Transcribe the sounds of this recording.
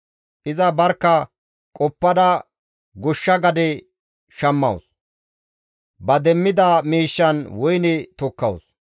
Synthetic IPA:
ʔɪzɐbɐɾkːɐ | kʼɔpːɐd̪ɐ | ɡʊʃːɐɡɐd̪ɛ | ʃɐmːɐ̰ws | bɐd̪ɛmːɪd̪ɐmiːʃːɐnwɔjnɛt̪ɔkːɐw̰s

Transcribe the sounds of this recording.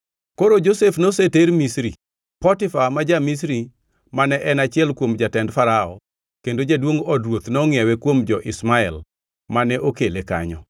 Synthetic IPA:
koɾod͡ʒosefnoseteɾmisɾi | pɔtɪfamad͡ʒamis̬ɾi | manɛʔɛnat͡ʃɪɛlkwomd͡ʒatɛndfaɾaɔ̰ | kendod͡ʒadwoŋɔdɾwot̪nːŋjɛwɛkwomd͡ʒɔʔɪsmaɛl | manɛʔokeleka̰ɲɔ

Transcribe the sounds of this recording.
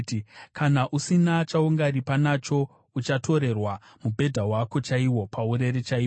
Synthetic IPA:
kʰanaʔusinat͡ʃauŋɡaɾipanat͡ʃo̞ | ut͡ʃato̞ɾe̞rwa | mubʱe̞dʱawako̞t͡ʃaiwo̞pʰauɾe̞ɾet͡ʃaiː

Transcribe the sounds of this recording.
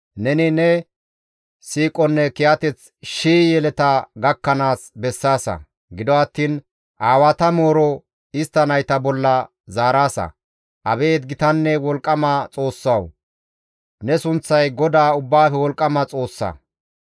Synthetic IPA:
nɛnɪnɛ | siːkʼɔnːɛkɪjɐt̪ɛt͡s | ʃiːjɛlɛt̪ɐɡɐkːɐnaːsbɛsːaːsɐ̰ | ɡɪd̪ɔɐt̪ːiːn | ʔaːwɐt̪ɐmo̞ːɾɔ | ɪst̪ːɐnɐjt̪ɐbɔlːɐ | zaːɾaːsɐ̰ | ʔɐbeːt̪ɡɪt̪ɐnːɛwɔlkʼːɐmɐt͡sʼo̞ːsːɐw | nɛsʊnt͡sːɐjɡɔd̪aːʊbːaːfɛwɔlkʼːɐmɐt͡sʼo̞ːsːɐ̰

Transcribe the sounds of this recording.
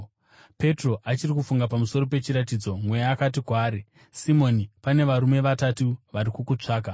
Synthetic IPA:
pe̞tro̞ʔat͡ʃirik̬ufuŋɡapamuso̞ɾop̬e̞t͡ʃiɾatid͡zo̞mwe̞jaːkat̬ikwaːɾi | simo̞nipane̞ʋaɾume̞ʋatatuʋaɾikukut͡ʂaːk̬a

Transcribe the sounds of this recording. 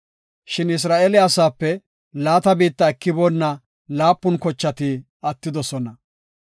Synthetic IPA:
ʃɪnɪs̬ɾaːʔɛlɪɐsaːpːɛ | laːt̪ɐbiːt̪ːɐɛkːɪbɔnːɐ | laːpːʊnkɔt͡ʃːɐt̪ɪ | ɐt̪ːɪd̪ɔsɔnɐ

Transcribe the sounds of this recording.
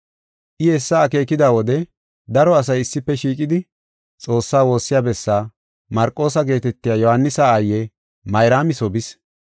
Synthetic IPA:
ʔɪhɛsːaːke̞ːkɪd̪aːwɔd̪ɛ | d̪ɐɾɔɐs̬ɐjɪsːɪpːɛʃiːkʼɪd̪ɪ | t͡sʼo̞ːsːaːwo̞ːsːɪjaːbɛsːaː | mɐɾkʼːo̞ːsɐɡe̞ːt̪ɛt̪ːɪjaːjɔhɐnːɪsaːjːɛ | mɐjɾaːmɪsɔbɪs

